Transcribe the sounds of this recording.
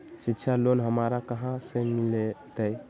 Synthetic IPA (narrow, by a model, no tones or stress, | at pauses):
sitːt͡ʃʰalonɦəmaɾakəɦãsẽmilet̪əj